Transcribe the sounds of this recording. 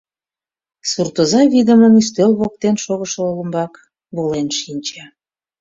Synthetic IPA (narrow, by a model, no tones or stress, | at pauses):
surt̪ozɑβid̪əməmyst̪ølβok̚t̪enʃoɣəʃələmbɑk | βolenʃinʲt͡ɕe